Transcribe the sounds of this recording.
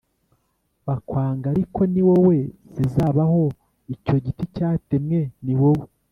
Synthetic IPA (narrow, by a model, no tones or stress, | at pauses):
βakwaːŋɡaɾiko̞niwowe̞z̥izaːβaho̞ | ico̞ɟiticaːtemŋe̞niwowe